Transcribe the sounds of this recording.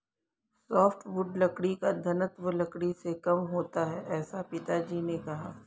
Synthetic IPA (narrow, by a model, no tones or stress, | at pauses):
ssɔːfʈʰʋʊɖlɐkɽikad̪ʱɐnət̪ʋəlɐkɽisekɐmɦoːt̪aɦɛʔɛːsapɪt̪ad͡ʒiːnekɐɦaː